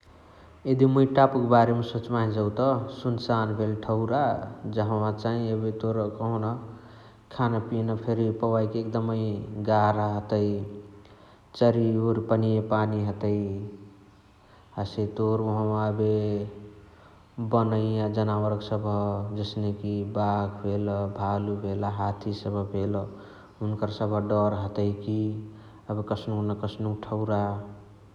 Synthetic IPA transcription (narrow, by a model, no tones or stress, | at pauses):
ed̪imuiʈapəkbaɾemesot͡ʃmaɦĩd͡ʒəwt̪əsunsanbʱelʈʰəʊɾad͡ʒəɦmãt͡ʃaɦĩebet̪oɾkəɦuna | kʰanapinapʰeɾipəwaikeek̚d̪əməiɡaɾaɦət̪əj | t͡ʃəɾioɾpənijepaniɦət̪əj | aset̪oɾuɦə̃məbe | bənəiad͡ʒənawəɾɡsəbʱəd͡ʒəsnekibaɡʰbʰʱelbʱalubʱelaɦat̪ʰisəbʱəbʱel | unkəɾsəbʱəɖəɾɦət̪əjki | əbekəsʰnunəkəsʰnukʈʰəʊɾa